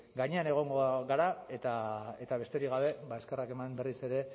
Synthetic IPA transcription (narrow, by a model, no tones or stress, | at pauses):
ɡaɲe̞ane̞ɣ̞o̞ŋɡoɣaɾae̞t̪ae̞t̪aβe̞st̪eɾiɣaβ̞e̞baeske̞rake̞mambe̞rise̞ɾe̞